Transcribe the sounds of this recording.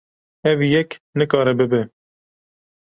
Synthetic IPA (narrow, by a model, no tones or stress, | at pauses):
ɛvijɛknɨkɑːɾɛbɨbɛ